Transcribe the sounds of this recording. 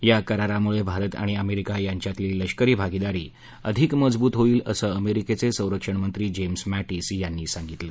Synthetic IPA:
jakəɾaɾamuɭebʱaɾət̪a̰ɽ̃iəmeɾikajaɲt͡ɕjat̪liːləɕkəɾiːbʱaɡid̪aɾḭː | ə̰d̪ʱikməd͡zbuːt̪ɦoiːləsəəmeɾiket͡sesə̃w̃ɾəkʂəɳmənt̪ɾiːd͡ʑemsmæʈiːsjanːiːsãŋɡit̪lə

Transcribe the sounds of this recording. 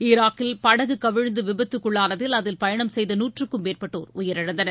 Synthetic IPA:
ɪɾaːkɪlpɐɽɐɣɯkɐʋɪɻnd̪ɯʋɪbɐt̪ːɯkːɯɭːaːnɐðɪlɐðɪlpɐjɐɳɐmsɛjðɐnuːʈrɯkːɯmːeːrpɐʈːo̰ːɾʊjɪɾɪɽɐnd̪ɐnɐ

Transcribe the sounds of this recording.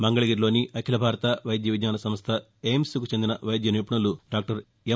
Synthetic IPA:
mɐŋɡɐɭɐɡiːɾlo̞ːniʔɐkʰilɐbʱaːɾɐt̪ɐʋɐjd̪jɐʋid̪jaːnɐsɐmɐst̪ʰɐ | emskut͡ʃe̞nd̪inɐʋɐjd̪jɐniːpɐɳɐluɖaːk̚ʈɐɾ | e

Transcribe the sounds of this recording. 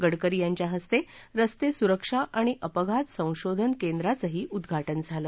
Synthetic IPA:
ɡəɽkəɾijaɲt͡ɕjaɦəst̪eɾəst̪esuɾəkʂaʔaɽ̃iʔəpəɡʱat̪sə̃w̃ɕod̪ʱənkend̪ɾat͡səɦiːʔud̪ɡʱaʈənd͡zʱalə

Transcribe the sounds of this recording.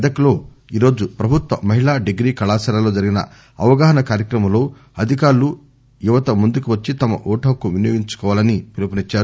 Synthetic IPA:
d̪ɐkɐloː | iːɾo̞ːd͡ʒupɾɐbʱut̪ʋɐmɐɦiɭaːɖeɡɾiːkɐɭaːsɐɾalo̞ːd͡ʒɐɾiɡinɐ̰ | ɐʋɐɡaːɦɐnɐkaːɾjɐkɾɐmɐmlo̞ː | ɐd̪ʱikaːɾlu | juʋɐt̪ɐmund̪ukuʋɐt͡ʃːit̪ɐmɐ̰ʔuːʈɐkuʋinjoːɡiɲt͡ʃu̥kɔːʋaːlɐnipilupɐnit͡ʃːaːɾu

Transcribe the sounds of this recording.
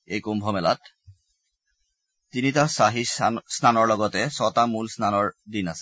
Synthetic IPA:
ejkumbʱɔmɛla̰t | tːinitasaɦisnanɔɹlɔɡɔtɛsɔtamulsnanɔɹdinasɛ̥

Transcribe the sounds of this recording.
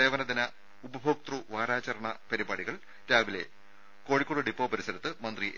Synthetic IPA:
eːʋɐnɐd̪inɐ | ubɐbʱok̚t̪ruʋaːɾaːt͡ɕɐɾɐɳɐpɐɾibaːɽiɣɐɭ | ɾaːʋilḛ | ko̞ːɻikʲːoːɽɨɖipːoːpɐɾisɐɾɐt̪ːɨmɐnd̪riʔ

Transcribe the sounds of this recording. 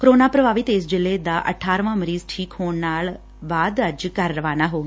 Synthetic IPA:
kɾoːnaːpɾəbaːʋɪt̪eːsd͡ʒɪleːd̪aːʔə̰ʈʰaːɾʋãːməɾiːzʈʰiːkhoːɳnaːl | baːd̪əd͡ʒkəɾːəʋaːnaːɦoːɡiː

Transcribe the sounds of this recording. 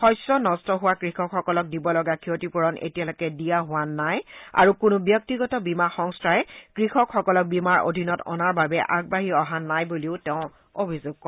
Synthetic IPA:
xɔjsɹɔnɔstɔɦʊwakɹixɔkxɔkɔlɔk̚dibɔlɔɡakʰiotipuɹɔnḛtijalɔkɛdijaɦʊwanːaja̰ɹukʊnʊbjɔk̚tiɡɔtɔbimaxɔŋstaɛkɹixɔkxɔkɔlɔk̚bimaɹo̰dʱinɔtɔ̰naɹbabɛʔaɡ̚baɦiɔɦanːajbuliʊtɛʊ̃ | obʱizoɡ̚kɔ

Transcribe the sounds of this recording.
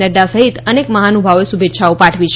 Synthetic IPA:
əɖasəɦit̪ənekməɦanubʱaʋoesubʱetːʃaopaʈʰʋit͡ʃ

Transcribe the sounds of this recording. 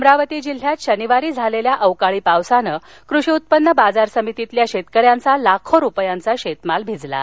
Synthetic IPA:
mɾaʋət̪iːd͡ʑil̤ːjat̪ɕəniʋaɾiːd͡zʱaleljaʔəwkaɭiːpawsanəː | kɾuɕiut̪̚pənːəbad͡zaɾsəmit̪it̪ljaɕet̪kəɾjant͡salakʰoɾupjãnt͡saɕet̪malbʱid͡zla̰

